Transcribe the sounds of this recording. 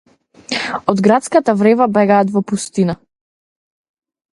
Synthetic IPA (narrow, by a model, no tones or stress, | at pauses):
ɔd̪ɡɾat̪skat̪avɾɛvabɛɡaːt̪vɔpust̪ina